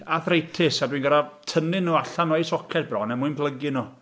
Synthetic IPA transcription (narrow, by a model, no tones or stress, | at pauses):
aθrejtʰɪsadwinɡaɾatʰənɪnuːaɬanɔjsɔkʰɛt̚brɔnɛmuɨnpʰlˠəɡɪnu